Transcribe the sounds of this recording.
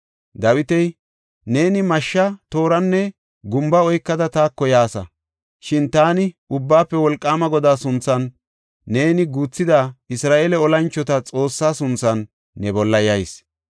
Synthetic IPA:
d̪ɐwɪt̪ɛj | ne̞ːnɪmɐʃːɐt̪o̞ːɾɐnːɛ | ɡʊmbɐɔjkːɐd̪ɐt̪aːkːɔjaːsɐ̰ | ʃɪnt̪aːnɪʊbːaːpːɛwɔlkʼːaːmɐɡɔd̪aːsʊnt͡sːɐnː | e̞ːnɪɡuːt͡sːɪd̪aːɪsɾaːʔeːlɛɔlɐnt͡ʃːɔt̪ɐt͡sʼo̞ːsːaːsʊnt͡sːɐnː | ɛbɔlːɐjɐjs

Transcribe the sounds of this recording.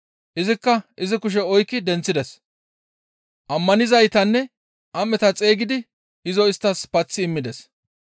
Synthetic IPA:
ʔɪzɪkːɐʔɪzɪkʊʃ̬ɛɔjkːɪd̪ɛnt͡sːɪd̪ɛs | ʔɐmːɐnɪzɐjt̪ɐnːɛ | ʔɐmːɛt̪ɐt͡sʼe̞ːɡɪd̪ɪ | ɪzɔɪst̪ːɐspɐt͡sːɪːmːɪd̪ɛs

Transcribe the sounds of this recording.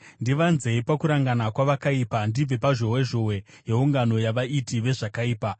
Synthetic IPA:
ndiʋanze̞ipakuɾaŋɡanakwaʋakaiːpandib͡ve̞paʒo̞weʒo̞we̞ | ɦe̞uŋɡano̞jaʋaʔitiʋe̞ʐakaiːpa

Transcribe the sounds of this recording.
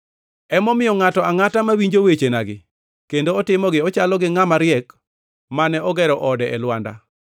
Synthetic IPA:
ɛmɔmɪjɔŋatɔaŋatamawiɲd͡ʒowet͡ʃenaɡɪ̰ | kendoːtɪmɔɡɪɔt͡ʃalɔɡɪŋamaɾɪɛk | manɛɔɡɛɾɔʔɔdɛʔɛlwanda̰

